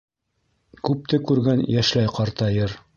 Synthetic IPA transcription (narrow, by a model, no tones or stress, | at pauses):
kʉp̚t̪ɘkʉɾɡænjæʃlæjqɑɾt̪ɑjɤɾ